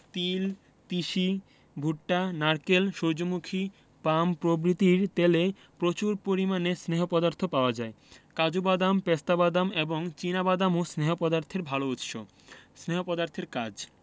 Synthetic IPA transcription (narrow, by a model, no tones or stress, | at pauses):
t̪il | t̪iʃi | bʱuʈːanaɾkelʃoɾd͡ʑomukʰi | pampɾobɾit̪iɾt̪ele | pɾot͡ɕuɾpoɾimanesneɦopɔd̪aɾt̪ʰopaoad͡ʑae | kad͡ʑobad̪ampest̪abad̪ameboŋt͡ɕinabad̪amosneɦopɔd̪aɾt̪ʰeɾbʱalout̪ʃo̰ | sneɦopɔd̪aɾt̪ʰeɾkad͡ʑ